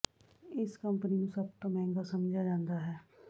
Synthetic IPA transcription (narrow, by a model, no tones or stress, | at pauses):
ɪskəmpəninũsəb̚t̪õːmɛ̃ːŋɡaːsəmd͡ʒaːd͡ʒãːnd̪aːɦɛː